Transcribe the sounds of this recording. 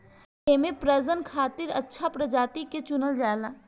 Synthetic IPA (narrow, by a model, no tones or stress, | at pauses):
emẽpɾəzənkʰaːt̪ɪɾɐtːʃʰapɾəd͡ʒaːt̪iket͡ʃʊnəld͡ʒaːelaː